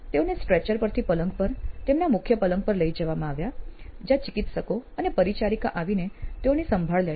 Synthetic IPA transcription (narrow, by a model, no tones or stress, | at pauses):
t̪eonesʈɾet͡ʃəɾpəɾt̪ʰipələ̃ŋɡ̚pəɾt̪emnamʊkʰjəpələ̃ŋɡ̚pəɾləid͡ʒəʋamãaʋjad͡ʒjat͡ʃikit̪ʃəkoənepəɾit͡ʃaɾika̰ʔaʋinet̪eonesəmbʱaɭle